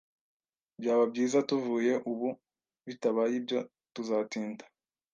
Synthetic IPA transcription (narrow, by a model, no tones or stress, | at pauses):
bjaːβabɟiːzatuvuːje̞ʔuβu | βitaβajibjo̞ | tuzatiːndḁ